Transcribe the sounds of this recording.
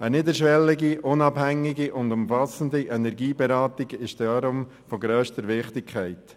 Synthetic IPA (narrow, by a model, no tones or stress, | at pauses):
ənɪdəɾʃʋɛlːɪɡiʔʊnɑbhæŋːiɡiʔʊndʊmfɑsən̩diʔɛnɛɾɡiːbɛɾɑːtɪɡɪʃd̥ɑɾʊm | fɔɡɾøːʃtəɾʋɪχtɪkʰχɛɪt